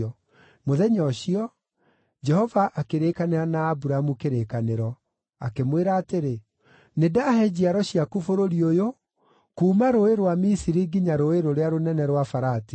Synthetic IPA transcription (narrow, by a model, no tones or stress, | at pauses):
ɔ | moðɛɲɔɕiɔ | d͡ʒɛhɔvaʔakeɾekaneɾanaːbuɾamukeɾekaneɾɔ | akemweɾaːteɾe | nedahɛd͡ʑiaɾɔɕiakufoɾoɾiojo | kuːmaɾoeɾowamisiɾiɡiɲaɾoeɾoɾeaɾonɛnɛɾwafaɾati̥